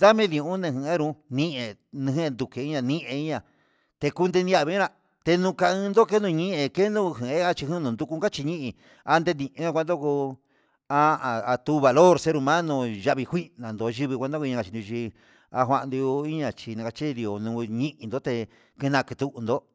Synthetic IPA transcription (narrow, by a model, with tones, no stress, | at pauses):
d̪a˦mẽ˦ðĩ˧ũ˦nẽ˧ɦĩ˧ẽ˦ɾũ˧˦nĩ˦ʔe˧nĩ˧ɦẽ˦˧nd̪u˧ke˨˧i˦ɲã˧nĩ˦ʔẽ˧i˦ɲã˧˨ | t̪e˧ku˦nd̪e˧nĩ˧˦a˦˧˨βĩ˧˦ɾã˧ | t̪e˧nũ˧ka˧ɨ̃˧nd̪o˦ke˦nd̪ũ˧ɲĩ˦ʔẽ˧ke˦nd̪ũ˦˧ɦĩ˨˧ẽ˦a˧t͡ʃi˧hũ˦˧nũ˧nd̪u˧ku˧ka˦t͡ʃi˧ɲĩ˦ʔĩ˧ | a˧nd̪e˧nĩ˧˨ʔẽ˦kʷa˧nd̪o˦ko˧ | a˧a˨a˧t̪u˦˧βa˨lo˦ɾse˦ɾu˧mã˦nõ˧ʒa˧βi˧hʷi˦nã˨nd̪o˧ʒi˧βi˧kʷa˧d̪o˦kɲã˧ka˨t͡ʃi˧d̪u˧t͡ʃi˧ | a˧ɦʷa˧ʔnd̪u˧i˦ɲã˧˨t͡ʃi˧nã˧ka˧t͡ʃi˦˧ði˧o˨nũ˧ɲĩ˦ʔĩ˧nd̪o˦t̪e˧ | ke˧nã˧ki˧t̪u˧ʔnd̪o˧